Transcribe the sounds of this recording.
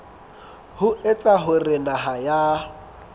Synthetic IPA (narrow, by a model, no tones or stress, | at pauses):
hʊʔet͡sʼaɦʊrɪnaɦaja